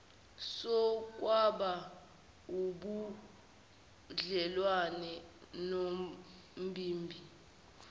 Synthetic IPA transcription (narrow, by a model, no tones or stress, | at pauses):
sɔk̬ʼwaɓa | uɓu | ɮɛlwanɛno | m̩bʱiːmbʱi